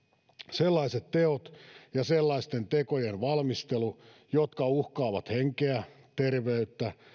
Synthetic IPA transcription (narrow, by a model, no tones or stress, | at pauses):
selːɑiset̪teot̪jɑselːɑist̪ent̪ekojenʋɑlmist̪elu | jot̪kɑuhkɑːʋɑt̪heŋkeæ | t̪erʋeyt̪ːæ